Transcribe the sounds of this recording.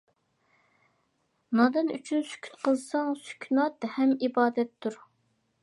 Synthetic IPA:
nɑd̪ɨny̰t͡ʃʰynsy̥kʲʰy̥t̪qəlˠsɑŋsy̥kʲʰnɑt̪hɛmibɑːd̪ɛt̪ʰːuɾ

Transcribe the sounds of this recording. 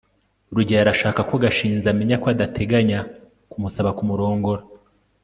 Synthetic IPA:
ɾuɟaaɾaʃaːkako̞ɡaʃiːnzameɲakoadatʰe̞ɡaɲa | kumusaβakumuɾo̞ːŋɡo̞ɾa

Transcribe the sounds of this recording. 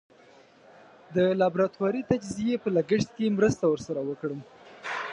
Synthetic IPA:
d̪əlɑbɾɑt̪wɑɾit̪ad͡ʒzijepəlaɡəʂt̪̚kemɾəst̪awəɾsaɾawəkɽəm

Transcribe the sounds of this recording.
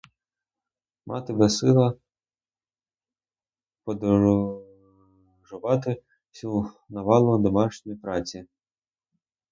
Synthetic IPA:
mʔɑ̰t̪ɪbɛsɪlˠɐ | pɔd̪ | ʒʊʋɑt̪ɪ | sʲu | nɐʋɑlˠɔɦd̪ɔmɑʃnʲɔjip̪ɾɑt͡sʲi

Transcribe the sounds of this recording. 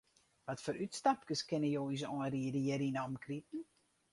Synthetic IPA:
vɐtfəɾʔytstap̚kəskənəjowis̬ɔːridiəɾinɑmkritn̩

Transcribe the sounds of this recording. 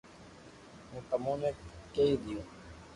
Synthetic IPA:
ɦũːt̪əmõːnẽːkeːiːd̪ɪjũː

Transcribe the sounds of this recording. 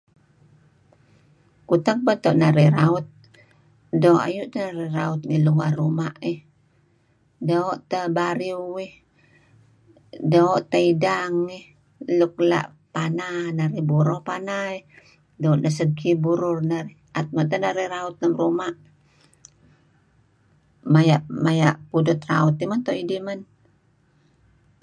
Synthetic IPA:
kut̪aɡ̚pat̪oʔnaɾiraʊt̪̚ | doʔa̰juʔt̪anaɾiɾaʊt̪̚ŋiluwarumaʔi | doːʔt̪abaɾiuih | doːʔt̪aidaŋih | luk̚la̰ʔ | pananaɾibuɾɔpanai | doɔʔlasəɡkibuɾʊrnaɾi | ʔat̪̚mant̪anaɾiraut̪̚namrumaʔ | majaʔmajaʔpudʊt̪raut̪imant̪ɔidiman

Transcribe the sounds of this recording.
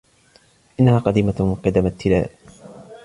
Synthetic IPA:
ʔɪnːahaːqɑd̪iːmaqɑd̪amat̪ːɪla̰ːʔ

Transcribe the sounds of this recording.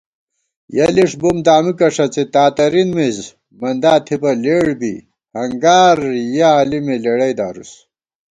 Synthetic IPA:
jɐliʂbumd̪aːmikɐʂɐt͡set̪aːt̪ɐɾinmiz | mɐnd̪aːt̪ʰibɐleːɽbi | hɐŋɡaːɾjɐːlimeleɽɐjd̪aːɾṵs

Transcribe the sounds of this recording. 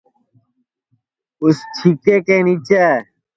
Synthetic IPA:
ʊst͡ʃʰikeːkeːniːt͡ɕaː

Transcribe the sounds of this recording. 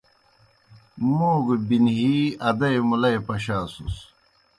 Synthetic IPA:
moːɡbinɦiːɐd̪ɐjmulɐjpɐɕaːsus

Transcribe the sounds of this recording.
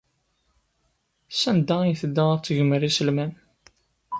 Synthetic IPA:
sænd̪æijθəd̪ːæt͡sːʝəməɾisəlmæn

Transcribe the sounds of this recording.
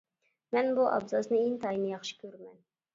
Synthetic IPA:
mɛnbuʔɑ̰bzɑznɨeŋt̪ʰɑjinɨjɑχʃi̥kʲʰøɾmɛn

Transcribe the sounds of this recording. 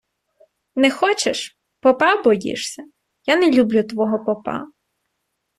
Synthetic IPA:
nɛxɔt͡ʃeʃ | pɔpɑbɔjḭʃsʲɐ | janɛlʲublʲut̪ʋɔɦɔpɔpɑ̰

